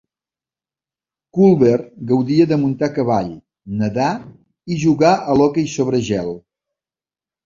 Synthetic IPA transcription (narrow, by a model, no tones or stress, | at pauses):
kulˠβerɡəwðiəðəmunt̪akəβaʎ | nəða | iʒuɣaʔəlɔkəjsoβɾəʒɛlˠ